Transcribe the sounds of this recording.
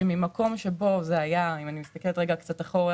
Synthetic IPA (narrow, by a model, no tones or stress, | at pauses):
mimako̞mʃe̞bo̞zeajaimanimist̪akeletʁeɡakt͡sataχo̞ʁ